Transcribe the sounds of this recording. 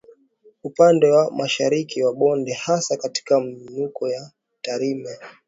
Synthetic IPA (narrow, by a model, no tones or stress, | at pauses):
upandɛwamaʃaɾikiwaɓɔndɛhasakati̥kam̩inukɔja | taɾimɛ